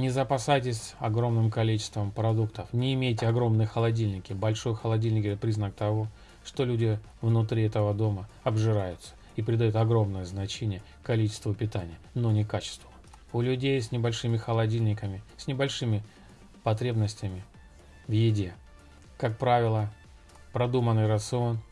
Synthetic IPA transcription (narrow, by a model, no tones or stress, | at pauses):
nʲɪzəpɐsajtʲɪsʲɐ̰ɡɾo̞mnɨmkɐlʲit͡ɕɪ̥st̪vəmpɾɐd̪ukt̪əfnʲɪːmʲejtʲɪɐɡɾo̞mnɨjəxəlˠɐdʲilʲnʲɪkʲɪbɐlʲʂo̞jxəlˠɐdʲilʲnʲɪkɛt̪əpɾʲiznək̚t̪ɐvo̞ | ʂt̪o̞lʲudʲɪ | vnʊt̪ɾʲiɛt̪əvəd̪o̞mə | ɐbʐɨɾajʊt̪sə̥ | ipɾʲɪd̪ɐjut̪ɐɡɾo̞mnəjəznɐt͡ɕenʲɪjə | kɐlʲit͡ɕɪ̥st̪vəpʲɪt̪anʲɪjənonʲɪkat͡ɕɪ̥st̪vəə | ʊlʲʉdʲejsʲnʲɪbɐlʲʂɨmʲɪxəlˠɐdʲilʲnʲɪkəmʲɪsʲnʲɪbɐlʲʂɨmʲɪ | pɐt̪ɾʲe̞bnəsʲtʲɪmʲɪ | vjɪdʲe | kak̚pɾavʲɪlˠə | pɾɐd̪umənɨjɾət̪sɨo̞n